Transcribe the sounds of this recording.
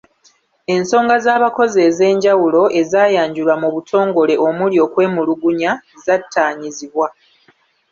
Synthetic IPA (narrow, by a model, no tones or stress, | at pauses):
e̞nso̞ːŋɡazaːβako̞ze̞ːze̞ːɲɟawulo̞ʔe̞zaːjaːɲɟulwamuβutʰo̞ːŋɡo̞le̞ʔo̞muljo̞ːkwe̞ːmuluɡuɲazatʰːaːɲiziβwa